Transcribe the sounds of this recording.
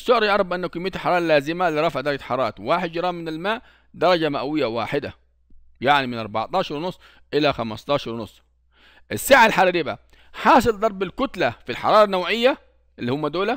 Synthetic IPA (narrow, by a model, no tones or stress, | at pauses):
sːʊʕɾˤiʔɑɾˤbʔɪnːakɪmːijːt̪lħɑɾɑːɾˤɑlaːzɪmaliɾˤɑfʕd̪ɑɾˤɑɡaħɑɾˤɑːt̪waːħɪd̪̚d͡ʒɑɾˤɑːmːɪnɪlmaːʔ | d̪ɑɾˤɑd͡ʒamaʔawɪjːawaːħɪd̪a̰ | jaʕnimɪnʔɑɾˤbɑ̰ʕt̪ˤɑːʃɑɾˤwnʊsˤː | ʔɪlaxamɑst̪ˤɑːʃɑɾˤwnʊsˤː | ʔɪsːaːʕalħaɾɾiːba̰ | ħɑːs̬ˤɨld̪ˤɑɾˤbɪlkʊt̪lafilħɑ̰ɾˤɑːɾˤɑnːawʕɪjːa | ʔɪlːihʊmːad̪oːla